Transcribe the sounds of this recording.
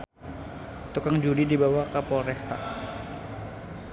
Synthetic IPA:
t̪ukaŋd͡ʒudidibawakapɔɾɛst̪a̰

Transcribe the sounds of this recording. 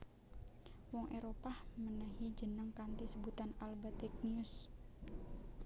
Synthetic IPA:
wɔŋʔeɾopahmənəɦid͡ʒənəŋkant̪isəbut̪analbat̪ɛk̚niʊs

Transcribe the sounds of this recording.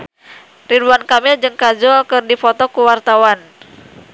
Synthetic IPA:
riduankamɛd͡ʒɨŋkad͡ʒɔkɨrdifɔt̪ɔkuwart̪awan

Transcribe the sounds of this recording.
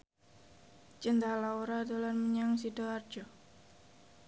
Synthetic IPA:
t͡ʃənt̪alauɾadolanməɲaŋsidɔard͡ʒɔ

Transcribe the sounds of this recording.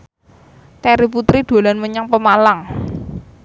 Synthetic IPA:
t̪ɛɾip̬ut̪ɾiɖ̪̥o̤lanməɲaŋpəmalaŋ

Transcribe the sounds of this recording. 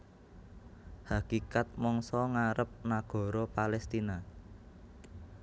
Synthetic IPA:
hakikat̪̚mɔŋsɔŋaɾəp̚naɡ̥ɔ̤ɾopalɛst̪ina

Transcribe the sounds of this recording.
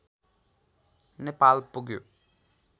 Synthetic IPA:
nepaːlpuɡju

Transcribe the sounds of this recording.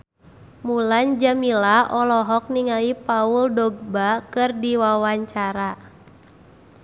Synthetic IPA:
muland͡ʒamilaʔɔlɔɦɔk̚niŋalipauldɔɡ̚bakɨrdiwawaɲt͡ʃaɾa

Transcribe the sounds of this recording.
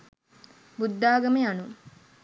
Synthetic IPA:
bud̪ːaːɡɐmeanu

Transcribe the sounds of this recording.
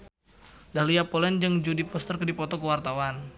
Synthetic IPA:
dahlijapɔlɛnd͡ʒəŋd͡ʒudifɔst̪ərkədipɔt̪ɔkəwart̪awan

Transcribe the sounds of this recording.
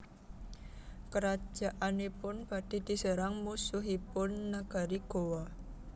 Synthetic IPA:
kəɾḁʒ̥a̤ʔanepʊnb̥a̤d̥i̤d̪̥i̤səɾaŋmusuɦipʊnːaɡ̥aɾiɡ̥owɔ

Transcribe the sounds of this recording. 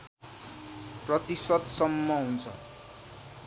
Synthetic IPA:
prʌt̪isʌt̪sʌmːʌɦunt͡sʰʌ

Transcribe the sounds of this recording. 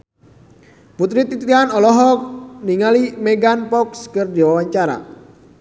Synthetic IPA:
put̪ɾit̪it̪ɾianɔlɔɦɔniŋalimeɡanpɔkskərdiwawaɲt͡ʃaɾa̰

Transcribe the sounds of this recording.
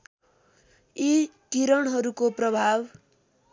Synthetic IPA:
itiɾʌɳɦʌɾukoprʌbʱab

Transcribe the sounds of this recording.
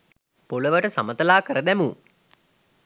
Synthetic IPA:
poləʋəʈəsa̰mət̪əlaːkəɾəd̪æmu

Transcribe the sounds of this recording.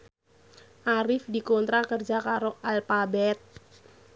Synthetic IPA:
ʔaɾɪfdikɔnt̪ɾakərd͡ʒakaɾoʔalfabɛt̪̚

